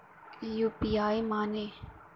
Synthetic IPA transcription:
juːpiaːjmaːne

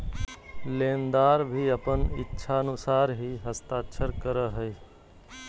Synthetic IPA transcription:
lẽːnd̪aːɾbʱiəpənɪ̰tːʃʰaənʊsaːɾɦiɦəst̪aːʃʰəɾkəɾəɦəi

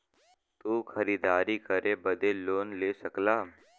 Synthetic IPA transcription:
t̪uːxɐɾiːd̪aːɾikɐɾebɐd̪eloːnleːsɐklaː

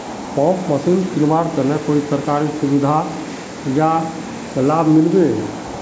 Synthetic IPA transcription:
pɔ̃kməsinsunʋaɾkəɾnekoːisəɾkaɾisubid̪ʱa | ja | səlabmɪlbe

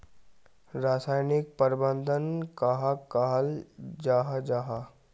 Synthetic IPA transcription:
ɾasaːjnik̚pəɾbənd̪ʱənkaɦakaɦald͡ʒaɦad͡ʒaɦa

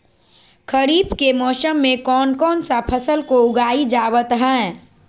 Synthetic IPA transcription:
kʰəɾiːbkemɔːsəmːẽkɔːnkɔːnsapʰəsəlkoʊɡaːid͡ʒaːwət̪ɦɛ̃

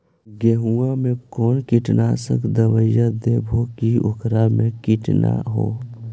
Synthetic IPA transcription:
ɡeɦuamẽkɔːnkiʈnaːsə̰kʰd̪əwəjad̪ebʱokiʊ̰kɾamẽkiʈna̰ɦo̰ː

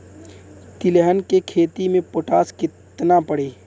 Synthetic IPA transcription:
t̪ɪləɦənkekʰeːt̪imẽpoʈaːskɪt̪napəɽeː

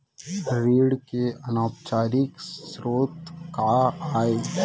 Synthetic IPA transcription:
ɾiːɽkeɐnaːpt͡ʃaːɾɪkssɾoːt̪kaaːeː

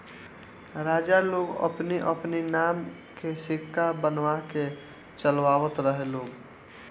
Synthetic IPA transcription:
ɾaːd͡ʒaloːɡə̰pneʔəpninaːm | kesɪkʰːabənʋake | t͡ʃəlʋaːʋət̪ɾəɦeloːɡ

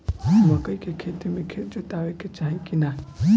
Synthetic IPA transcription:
mɐkəjkʰekʰet̪imekʰetd͡ʒot̪aʋeket͡ʃaɦĩkina

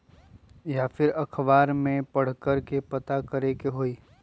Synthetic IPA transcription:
jaːfɪɾɐkʰbaːɾmẽpɐɽ̤kəɾkepɐt̪akɐɾekeɦoːiː

